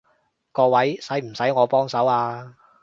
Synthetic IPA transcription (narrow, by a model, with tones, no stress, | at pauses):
kɔː˧wɐ˨˥jsɐ˨˥jm̩˨˩sɐ˨˥jŋɔː˨˧pɔː˥ŋsɐ˨˥waː˧